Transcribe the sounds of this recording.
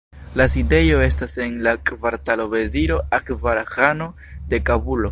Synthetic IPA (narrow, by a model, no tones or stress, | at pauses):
laside̞jo̞e̞stase̞nlakʼvaɾtalo̞be̞ziɾo̞akvaɾxano̞ | de̞kabulo̞